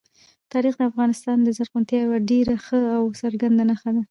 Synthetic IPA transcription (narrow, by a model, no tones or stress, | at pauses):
t̪ɑɾixd̪əafɣɑnɪst̪ɑnd̪əzaɾqunt̪jɑjwaɖeɾaxəawsaɾɡand̪anaxad̪a